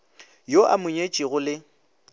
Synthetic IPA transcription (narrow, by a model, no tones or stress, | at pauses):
joʔa̰mʊɲet͡ʃʼiɣʊlɪ